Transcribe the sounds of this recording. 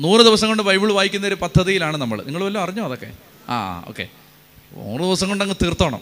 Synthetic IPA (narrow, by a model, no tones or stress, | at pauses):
nuːrɨd̪iʋɐsɐŋːoɳɖɨbɐjbiɭʋaːjikʲːunːɐoɾupɐd̪ʱːɐðijilaːɳɨnɐmːɐ̰ɭniŋːɐɭʋɐlːoːɐriɲːoːɐðokːe̞̰ | a̰ːo̰ːkːe̞̰ | ṵːrɨd̪iʋɐsɐŋːoɳɖɐŋːɨt̪irt̪ːoːɳɐ̰m